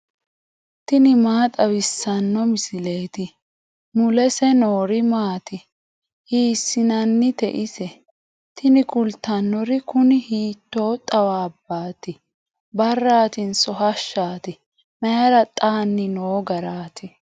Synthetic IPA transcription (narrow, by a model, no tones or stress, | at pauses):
t̪ɪnɪmaːt̪ʼɐwɪsːɐnːɔmɪsɪleːt̪ɪ | mʊlɛsɛnoːɾɪmaːt̪ɪ | hiːsɪnɐnːɪt̪ɛ̰ʔɪsɛ | t̪ɪnɪkʊlt̪ːɐnːɔɾɪkʊnɪhiːt̪ːoːt̪ʼɐwaːbːaːt̪ɪ | bɐrːaːt̪ɪnsɔɦɐʃːaːt̪ɪ | mɛjɐɾɐt̪ʼaːnːɪnoːɡɐɾaːt̪ʰɪ